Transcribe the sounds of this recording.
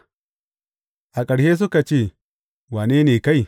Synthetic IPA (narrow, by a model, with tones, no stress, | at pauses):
ʔa˨kʼɐ˨ɽʃeː˦s̬ʊ˦ka˨t͡ʃeː˦˨ | waː˨neː˦neː˨ka˦˨j